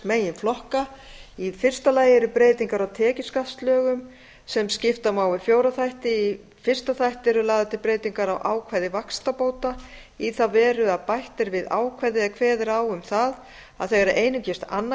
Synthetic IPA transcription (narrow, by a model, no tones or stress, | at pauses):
meːjɪnflɔhkaifɪr̥st̪alaːjɛɾʏpɾeːjt̪iŋkaɾawt̪ʰɛːcɪskast̪lœːɣʏm | sɛmscɪft̪amaːwvɪfjoːwɾaθajht̪ɪi | fɪr̥st̪aθajht̪ɛɾʏlaːðʏt̪ʰɪlpɾeːjt̪iŋkaɾawʔa̰ːwkʰvaðɪvakst̪apoːwt̪a | iθavɛːɾʏaðpajht̪ɪɾvɪða̰ːwkʰvaðɪɛðkʰvɛːðɪɾaːwʏmθað | aðθɛɣaɾɪʔeːjnʏcɪst̪a̰nːa